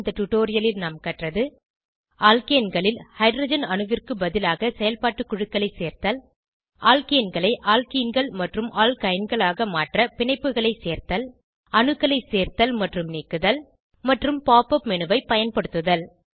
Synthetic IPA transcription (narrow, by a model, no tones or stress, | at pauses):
nd̪ɐʈuʈːoːɾɪjɐlɪlnaːmkɐʈrɐðɯ | aːlkejɐnɡɐɭɪlhɐɪɖrɐːd͡ʒɐnɐɳɯʋɪrkɯbɐðɪlaːɣɐsɛjɐlpaːʈːɯkːʊɻɯkːɐɭɐɪseːɾt̪ɐl | ʔaːlkɐjnɡɐɭɐɪʔaːlkinɡɐɭmɐʈrɯmʔaːlkɐjɪnɡɐɭaːɣɐmaːʈrɐpɪɳɐɪpːɯɣɐɭɐɪseːɾt̪ɐl | ɐɳɯkːɐɭɐɪseːɾt̪ɐlmɐʈrɯmneːkːɯðɐl | mɐʈrɯmpaːpɐpmɛnɯʋɐɪpɐjɐnpɐɽɯt̪ːɯðɐl